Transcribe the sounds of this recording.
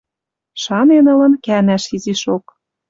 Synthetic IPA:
ʃɑnenɤ̆lə̆nkænæʃiziʃok̚

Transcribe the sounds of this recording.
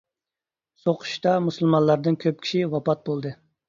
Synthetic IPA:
soqʰʊ̥ʃt̪ɑmusɨlˠmɑnlˠɑɾd̪ɨnkʲʰøp̚kʲʰi̥ʃiwɑpɑt̪̚bolˠd̪ɨ

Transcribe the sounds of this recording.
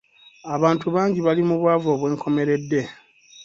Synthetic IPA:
aβaːntuβaːɲɟiβalimuβwaːvoːβwe̞ːŋkʰo̞me̞ɾe̞dːe̞

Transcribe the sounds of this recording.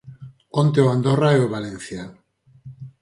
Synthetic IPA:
kont̪eoand̪oraeoβalenθjan

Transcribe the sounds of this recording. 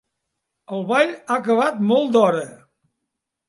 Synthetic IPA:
əlˠβaʎakəβ̞at̪mɔlˠd̪ɔɾə

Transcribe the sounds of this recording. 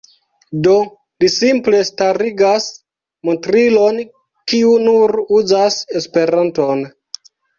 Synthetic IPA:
do̞ | lisimple̞staɾiɡas | montɾilo̞n | kiunuɾuzase̞spe̞ɾanto̞n

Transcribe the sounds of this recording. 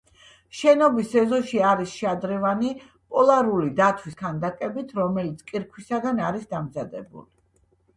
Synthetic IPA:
ʃɛnɔbisɛzɔʃiaɾisʃad̪ɾɛvani | pʼɔlˠaɾulid̪at̪ʰwiskʰand̪akʼɛbit̪ʰɾɔmɛlit̪sʰkʼiɾkʰwisaɡ̪anaɾisd̪amzad̪ɛ̰bṵli

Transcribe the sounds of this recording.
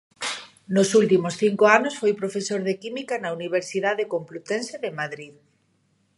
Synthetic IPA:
nosult̪imosθiŋkoanosfojpɾofesoɾðekimikanauniβ̞eɾsiðaðekomplut̪enseðemaðɾið

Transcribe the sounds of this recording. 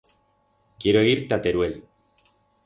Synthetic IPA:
kjeɾoeɣiɾt̪at̪eɾuel

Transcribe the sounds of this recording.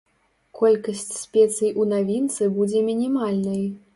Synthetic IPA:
kʰɔlʲkɐsʲt͡sʲsʲpʲɛt̪sɨjʔunavʲint̪sɨbud͡zʲɛmʲinʲimalʲnɐj

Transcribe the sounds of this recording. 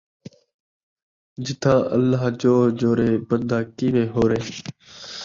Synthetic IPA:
d͡ʒɪt̪ʰãːʔə̰lːaːɦd͡ʒoːd͡ʒoːɾeːbənd̪ʱaːkiːʋeːɦoːɾeː

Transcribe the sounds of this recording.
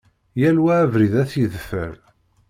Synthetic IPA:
jælwæːvɾiðæθjiðfə̰ɾ

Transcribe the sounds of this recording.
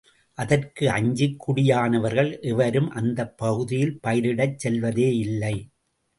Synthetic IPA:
ʔɐðɐrkɯɐɲd͡ʒɯkʰːʊɽɪjaːnɐʋɐɾɣɐɭʔɪʋɐɾɯmʔɐnd̪ɐpːɐɣɯðɪjɪlpɐjɪɾɪɽɐt͡ʃsɛlʋɐðeːɪlːɐɪ

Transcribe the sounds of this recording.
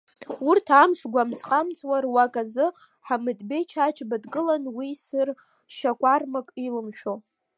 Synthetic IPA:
urtʰamʂɡʷamt͡sʼqʼamt͡sʼwarwakʼazɨ | ħamɨdbe̞jt͡ʃʰat͡ʃʰʼbadɡɨlanwisɨr | ʃakʷʼarmakʼilɨmʃᶣo

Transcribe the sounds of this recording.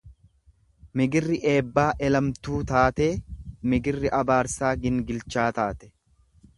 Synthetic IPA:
mɪɡɪrːɪʔe̞ːbːaːʔɛlɐmt̪uːt̪aːt̪e̞ːmɪɡɪrːɪʔɐbaːɾsaːɡɪŋɡɪlt͡ʃaːt̪aːt̪ɛ̥

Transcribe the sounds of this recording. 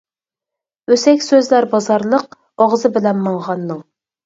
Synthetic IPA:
øsɛkʲsøzlæɾbɑzɑɾlˠəq̚ | oʁzɨbɪlɛnmɑŋʁɑnːɨŋ

